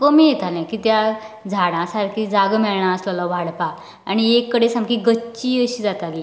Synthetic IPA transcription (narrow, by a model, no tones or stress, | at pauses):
kəmijet̪alẽkit̪jad͡zʱaɽ̃ãsaɾkʰid͡zaɡmɛɭɳaəsləlɔʋaɽpaː | ɽ̃iekːəɽesamkiɡəːt͡ɕiːəɕiːd͡zat̪ali